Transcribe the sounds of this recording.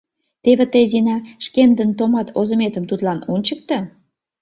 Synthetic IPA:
t̪eβĕt̪əjzinɑʃkend̪ənt̪omɑt̪ʰozə̆met̪əmt̪ut̪lɑnunt͡ɕək̚t̪ɤ

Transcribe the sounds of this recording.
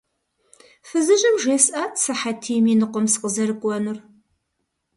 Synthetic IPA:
fɨzɨʑʼɪmʒeːsaːtsɐħatʰiːminɨqʷɔmsqəzɐɾɨkʷʼɔnɨr

